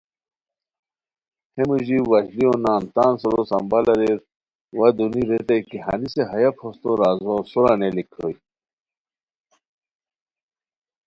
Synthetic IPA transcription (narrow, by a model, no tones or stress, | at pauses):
hemuʑiwɐzlionaːnt̪aːnsuɾosɐmbɐlɐɾeɾ | wɐd̪uniɾet̪ɐjkiɦa̰niseɦɐjapʰost̪oɾaːzosuɾanelikʰɾo̰j